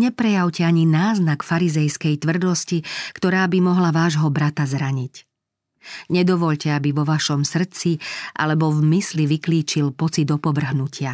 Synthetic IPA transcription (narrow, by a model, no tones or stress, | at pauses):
ɲɛpɾɛjawcɛaɲinaːznakfaɾizɛjskɛjt̪ʋr̩d̪ɔscikt̪ɔɾaːbimɔɦlaʋaːʒɦɔbɾat̪azɾaɲic | ɲɛd̪ɔʋɔʎcɛabiʋɔʋaʃɔmsr̩t͡siʔa̰lɛbɔvmisliʋikliːt͡ʃilpɔt͡sid̪ɔpɔʋr̩ɦnucʰɪa